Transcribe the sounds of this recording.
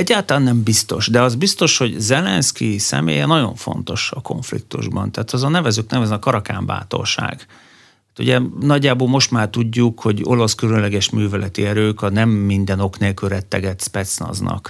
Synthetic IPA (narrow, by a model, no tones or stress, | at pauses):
ɛɟːaːlt̪ɒlaːnːɛmbist̪o̞̰ʃd̪ɛɒzbist̪o̞ʃho̞ɟzɛlɛnskisɛ̰mḛːjɛnɒɟo̞̰ɱfo̞̰nt̪o̞ʃɒko̞̰ɱflḭk̚t̪ṵʒbɒnt̪ɛːt̪ɒzɒnɛvɛzyknɛvɛznkɒɾɒka̰ːɱba̰ːt̪o̞̰lʃa̰ːɡ̥̪ | aːt̪ṵɟɛnɒɟːaːboːlmo̞ʃt̪maːrt̪uɟːukho̞ɟo̞̰lɒskylønlɛɡɛʃmyːvɛlɛt̪iɛɾøːkɒnɛmːind̪ɛno̞kneːlkyɾɛt̪ːɛɡɛt̪spɛt̪snɒ̰znɒ̰k